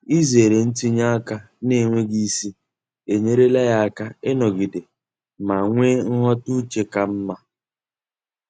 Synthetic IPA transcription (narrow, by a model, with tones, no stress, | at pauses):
i˦ze˨ɾe˨n̩˦ti˦ɲa˦a˦ka˦ | ne˦˨ŋʷe˦ɡi˦si˦ | e˨ɲe˦ɾe˦la˦ja˦ka˦ɪ˦nɔ˨ɡi˨de˨ | ma˨ŋʷe˦ŋ̩˦ɦɔ˦tu˦t͡ʃe˨ka˨m̩˦ma˦